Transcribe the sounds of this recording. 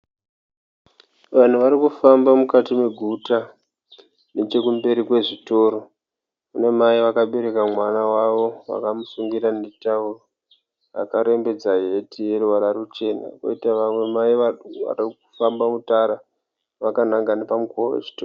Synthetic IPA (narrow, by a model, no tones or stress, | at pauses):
ʋan̤uʋaɾikufambamukatimwe̞ɡʱuta | net͡ʃe̞kumbe̞ɾikwe̞ʐito̞ɾo̞ | une̞maiʋakaɓe̞ɾe̞kamwanawaʋo̞wa̰kamusuŋɡiɾanetauro | a̰kaɾe̞mbe̞d͡zaɦetije̞ɾuwaɾaɾut͡ʃe̞na̰ko̰itaʋamwe̞maia̰rikufambamutaɾa | ʋakanaŋɡanepamukoḛʐi̥too